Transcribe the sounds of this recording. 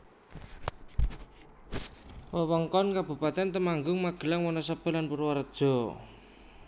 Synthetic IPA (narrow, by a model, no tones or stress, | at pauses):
wəwəŋkɔnkab̥ṳpat̪ɛnt̪əmaŋɡʊŋmaɡ̥ə̤laŋwɔnɔsəb̥ə̤lanpuɾwaɾəd̥ʒ̥ɔ̤